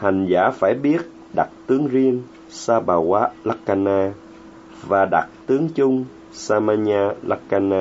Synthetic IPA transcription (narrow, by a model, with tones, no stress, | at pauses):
ha˨˩ŋ̟za̰ː˧˩faː˧˩jɓi˦˥ət̚ | ɗa˨˩t̚t̪ɨ˨˦əŋzi˧ən | saː˧ɓaː˨˩waː˨˦˥la˦˥kka˧naː˧ | vaː˨˩ɗa̰˨˩t̚t̪ɨ˨˦əŋt͡ɕʊ˧ŋ͡m | saː˧maː˧ɲaː˧la̰˦˥kka˧naː˧